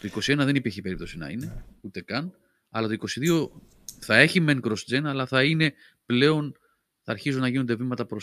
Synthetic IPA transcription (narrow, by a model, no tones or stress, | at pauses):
t̪o̞iko̞sienɐðe̞nipiɾçipe̞ɾip̚t̪o̞sinɐ̰ine̞ut̪e̞kɐn | ɐlɐt̪o̞iko̞siðio̞ | θɐe̞çime̞ŋkɾo̞sd͡zenɐlɐθɐine̞ | ple̞o̞n | θɐːɾçizunːɐʝinond̪evimɐt̪ɐpɾos